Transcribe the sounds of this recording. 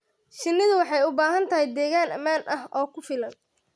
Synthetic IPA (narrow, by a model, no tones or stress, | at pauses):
ʃɪnːɪðʊwɑħɑjʊbaːɦɐnt̪ʰɐɦɛjd̪ɛːɣaːnɐ̰maːnʔɐɦɔːkʰʊfɪlɐn